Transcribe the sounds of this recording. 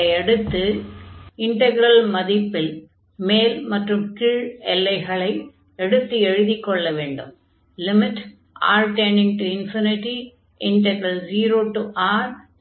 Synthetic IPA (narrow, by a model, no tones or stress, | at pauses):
ɪɛɽɯt̪ːɯ | ɪɳʈɐɣɪɾɐlmɐðɪpːɪl | meːlmɐʈrɯmkɪɻɛlːɐɪɣɐɭɐɪ | ɛɽɯt̪ːɯɛɻɯðɪkːɔɭːɐʋeːɳɖɯ̰m | lɪmɪʈ | ʔa̰ːɾʈenɪ̃ŋʈuɪnfinɪʈi | ɪɳʈɛɡɾɐld͡ʒiːɾoːʈuʔaːɾ